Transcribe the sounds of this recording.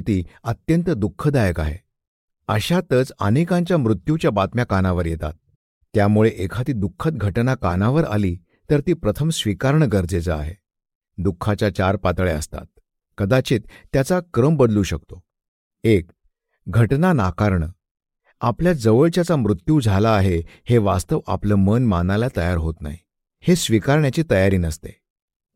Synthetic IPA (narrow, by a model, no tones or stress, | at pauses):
t̪iːət̪jənt̪əd̪ukʰːəd̪ajəka̰ɦḛ | əɕat̪ət͡sə̰nekãɲt͡ɕjamɾut̪jut͡ɕjabat̪mjakanaʋəɾjet̪a̰t̪̚ː | jamuɭeʔekʰat̪iːd̪ukʰːət̪̚ɡʱəʈnakanaʋəɾa̰liː | t̪əɾt̪iːpɾət̪ʰəmsʋikaɾɳəɡəɾd͡zet͡səa̰ɦe | d̪ukʰːat͡ɕjat͡ɕaɾpat̪ɭeə̰st̪a̰t̪̚ | kəd̪at͡ɕiːt̪ːjat͡sakɾəmbəd̪luːɕəkt̪o | ek̚ | ɡʱəʈnanakaɾɳə | apljad͡zəʋəɭt͡ɕjat͡samɾut̪juːd͡zʱalaːɦeheʋast̪əʋa̰pləmənmanalat̪əjaɾɦot̪na̰ɦi | hesʋikaɾɳjat͡ɕiːt̪əjaɾiːnəst̪ḛ